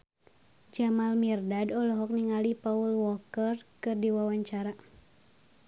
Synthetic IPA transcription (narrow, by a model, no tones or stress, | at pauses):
d͡ʒamalmirdadɔlɔɦɔk̚niŋalipaulwɔkərkɨrdiwawaɲt͡ʃaɾa